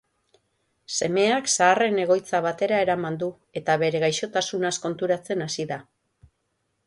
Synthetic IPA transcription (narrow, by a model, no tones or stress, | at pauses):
se̞me̞aksaːre̞ne̞ɣ̞o̞jt͡saβ̞at̪e̞ɾae̞ɾamand̪u | e̞t̪aβe̞ɾe̞ɣajʃo̞t̪asunasko̞nt̪uɾat͡se̞nasiða